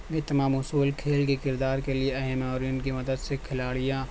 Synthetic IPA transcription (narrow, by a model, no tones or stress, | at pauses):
ɡet̪ɐmaːmʊsuːlkʰeːlkikɪɾd̪aːɾkelieɐɦɛmɔːɾijʊnkimɐd̪əd̪sekʰɪlaːɽɪjãː